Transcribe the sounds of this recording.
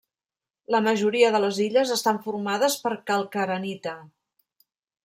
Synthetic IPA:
ləməʒuɾiəðələziʎəzəst̪aɱfurmaðəspəɾkəlˠkəɾənit̪ə

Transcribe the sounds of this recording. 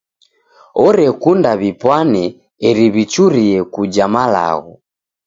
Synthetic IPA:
ɔɾɛkundaβipwanɛː | ɾiβit͡ʃuɾiɛkud͡ʒamala̰ɣɔ

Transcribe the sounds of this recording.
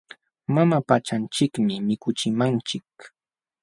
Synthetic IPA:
mamapat͡ʃant͡ʃɪkmɪmɪkʊt͡ʃɪmant͡ʃɪk

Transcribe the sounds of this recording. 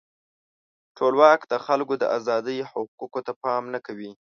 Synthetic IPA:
ʈʰolwɑkd̪əxalkod̪ə̰ʔazɑd̪əjhʊqukot̪apɑmnakawi

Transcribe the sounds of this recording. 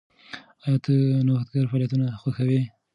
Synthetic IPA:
at̪ənohat̪ɡɑɾfɑːljat̪unaxwaxawi

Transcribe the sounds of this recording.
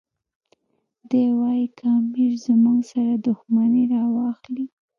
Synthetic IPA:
d̪ewɑjikʰɑmiɾzəmuɡsaɾad̪ʊxmaneɾɑwɑxli

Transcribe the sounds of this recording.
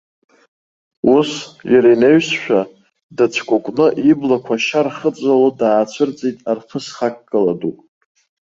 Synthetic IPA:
usjaɾajneɥsʃᶣa | dat͡sʰkʷʼʊkʷʼnɨʔiblakʷʰaʃarχət͡sʷʼalodaːt͡ɕʷʰɨrt͡sʼejtʼarχʰəsχakʼːɨladupʼ

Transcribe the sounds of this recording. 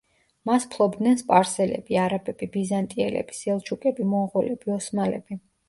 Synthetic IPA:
maspʰlˠɔbd̪nɛnspʼaɾsɛlɛ̰biaɾabɛb̥ibizant̪ʼiɛlɛ̰bi̥sɛlˠt͡ʃʰukʼɛbimɔʁɔlɛbiɔsmalɛ̰b̥i

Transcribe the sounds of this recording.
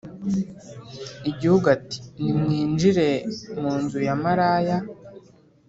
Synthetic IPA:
iɟihuɡati̥nimŋiːnd͡ʒiɾe̞muːnzujamaɾaːja

